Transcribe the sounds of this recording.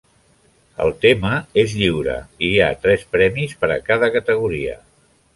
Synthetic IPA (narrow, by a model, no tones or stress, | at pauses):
ə̰lˠt̪eməezʎiwɾə̰iat̪ɾɛspɾɛmispəɾə̰kaðəkət̪əɣ̞uɾiə̰